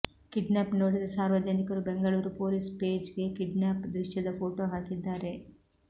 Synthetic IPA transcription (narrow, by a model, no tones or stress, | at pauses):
kiɖnaːpno̞ːɽid̪ɐsaːɾʋɐd͡ʒɐnikɐɾubeŋɡɐɭuːɾupoːlispeːd͡ʒɡe̞kiɖnaːpd̪ɾiʃjɐd̪ɐpʰoːʈoːɦaːkid̪ːaːɾe̞